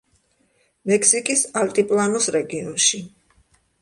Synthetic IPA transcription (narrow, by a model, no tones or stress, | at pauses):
mɛkʰsikʼisalt̪ʼipʼlˠanɔsɾɛɡiɔnʃi